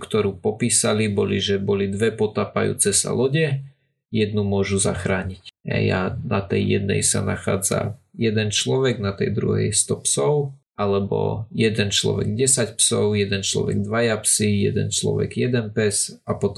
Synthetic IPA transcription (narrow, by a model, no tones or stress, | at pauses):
kt̪ɔɾuːpɔpiːsalibɔliʒɛbɔlid̪ʋɛpɔt̪aːpajṵːt͡sɛsa̰lɔɟɛ | jɛd̪numʊɔʒuza̰xɾaːɲicɦɛ̰janat̪ɛjːɛ̰d̪nɛ̰jsa̰naxa̰ːd͡za̰jɛd̪ɛnt͡ʃlɔʋɛɡnat̪ɛjd̪ɾṵɦɛ̰jst̪ɔpsɔʊ | alɛbɔ̰jɛd̪ɛnt͡ʃlɔ̰ʋɛ̰ɡɟɛsacpsɔʊjɛd̪ɛnt͡ʃlɔ̰ʋɛ̰ɡd̪ʋajapsijɛ̰d̪ɛ̰nt͡ʃlɔ̰ʋɛ̰ɡjɛd̪ɛnpɛz | apɔt̪ɔ